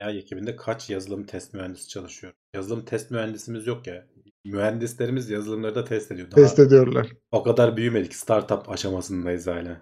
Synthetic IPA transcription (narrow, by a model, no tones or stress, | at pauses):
jajecʰibind̪ɛkʰat͡ʃjazɯlˠɯmt̪ʰɛst̪myɦænd̪isi̥t͡ʃʰalˠɯʃɯjo̞ɾujazɯlˠɯmt̪ʰɛst̪myhænd̪isimizjo̞kja | myhænd̪islʲe̞ɾimizjazɯlˠɯmlˠaɾɯd̪at̪ʰɛst̪e̞d̪ijo̞d̪ɛst̪ed̪ijøɾlˠa̰ɾ̥o̞kad̪aɾbyjyme̞lʲicst̪ʰaɾt̪ʰapʰaʃamasɯnd̪ajizaːlʲɛ